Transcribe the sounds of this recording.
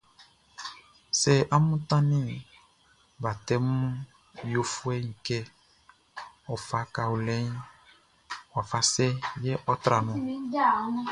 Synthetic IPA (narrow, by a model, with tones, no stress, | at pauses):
sɛ˨ʔa˦mũ˦t̪ã˦nĩ˦ | ba˨t̪ɛ˦mũ˦ | jo˦fu˦ɛ˦ɲĩ˨kɛ˦ | ɔ˨fa˨˦ka˨wo˨lɛ˦ɲ˦ | wa˨fa˨sɛ˦jɛ˦ʔɔ˦t̪ɾa˨nɔ̃˨˦